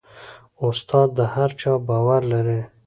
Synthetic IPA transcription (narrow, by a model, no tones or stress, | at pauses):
ʊst̪ʰɑːd̪̚ːəhaɾt͡ʃɑbɑːwaɾlaɾe